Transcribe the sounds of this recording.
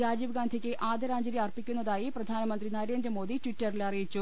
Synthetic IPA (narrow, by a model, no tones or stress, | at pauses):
aːd͡ʑiʋɡaːnd̪ʱikʲːɨʔaːd̪ɐɾaːnd͡ʑɐɾjiɐrpikʲːunːɐðaːjiprɐd̪ʱaːnɐmɐnd̪rinɐɾe̞ːndrɐmo̞ːd̪itʋitːɐrilɐrijit͡ɕːu